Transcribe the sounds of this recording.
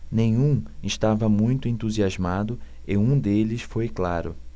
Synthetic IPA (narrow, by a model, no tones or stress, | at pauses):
nẽɲ̃ũɪʃt̪avɐmũj̃t̪ʊẽnt̪uziazmad̪ʊ | ɪũd̪elɪsfojklaɾʊ̰